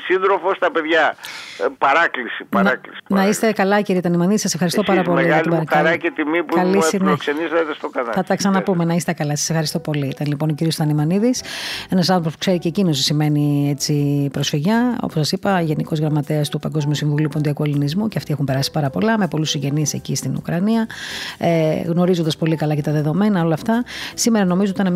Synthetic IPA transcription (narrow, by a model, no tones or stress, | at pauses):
sinðɾofost̪ɐpe̞ðʝɐ | pɐɾɐklisipɐnɐklisi̥nnɐist̪ekɐlɐciɾiɐt̪ɐnimɐniðisɐsefxɐɾist̪opɐɾɐpo̞lmeiɣɐɐlt̪bɐɾɐkɐɾɐcet̪imipuiɐlisneksenizet̪est̪oɡɐnɐθɐt̪ɐksɐnɐpumenɐist̪e̞kɐlɐsɐ̥sefxɐɾist̪o̞po̞liit̪ɐnlipo̞nociɾiost̪ɐnimɐniðisenɐsɐnθɾopospu̥kse̞ɾiceːcino̞s̬isime̞niet͡sipɾo̞sfiʝɐo̰posɐsipɐʝe̞niko̞zɣɾɐmɐt̪eɐst̪upɐŋɡo̞zmiusiɱvuliupond̪iɐkuelinizmuceɐft̪ixumpe̞ɾɐsi̥pɐɾɐpo̞lɐme̞po̞lusiɲɟe̞nise̞̰cist̪inṵkɾɐniɐeɣno̞ɾizond̪ɐspo̞likɐlɐce̞t̪ɐðe̞ðo̞me̞nɐo̞lɐft̪ɐsime̞ɾɐno̞mizoot̪ɐn